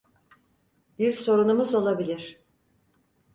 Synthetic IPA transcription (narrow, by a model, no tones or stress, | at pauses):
biɾso̞ɾunumuzo̞lˠabilʲiɾ̥